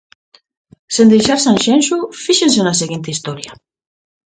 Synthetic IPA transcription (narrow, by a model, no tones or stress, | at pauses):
send̪ejʃaɾsãnʃẽnʃufiʃensenaseɣint̪eist̪oɾja